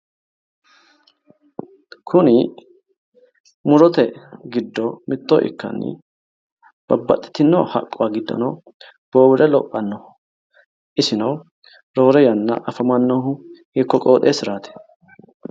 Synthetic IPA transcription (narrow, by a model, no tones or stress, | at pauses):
kʰʊnɪ | mʊɾɔt̪ɛɡɪd̪ːɔmɪt̪ːoːʔɪ̰kːɐ̰nːɪ̰ | b̥ɐbːɐ̰t̪ʼːɪ̥t̪ːɪnːo̰ːhɐ̰kʼːʊwaɡɪd̪ːɐ̰nɐ | b̥o̞ːbɪɾɛlɔpʼːɐnːɔ | ʔɪsɪnɐw | ɾo̞ːɾɛjɐnːɐ̰ʔɐfɐmɐnːohʊhɪkːɔkʼo̞ːt̪ʼeːsɪɾaːt̪ɛ̥